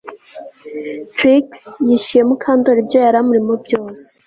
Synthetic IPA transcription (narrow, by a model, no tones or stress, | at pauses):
tɾiksjiʃije̞mukʰaːndoɾibjo̞jaɾamuɾimobjo̞ːsee̥